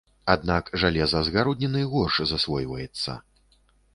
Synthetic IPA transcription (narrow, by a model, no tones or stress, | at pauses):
ad̪nakʐalʲɛzɐzɣaɾɔd̪nʲɛnɨɣɔrʂzasvɔjvɐjɛt̪sːɐ̰